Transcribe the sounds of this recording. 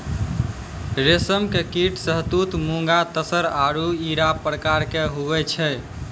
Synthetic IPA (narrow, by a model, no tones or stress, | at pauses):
ɾesəmkekiʈʰsəɦt̪ut̪muŋɡat̪əsəɾaɾuiɾapɾəkaɾkeɦuβɛt͡ʃʰɛ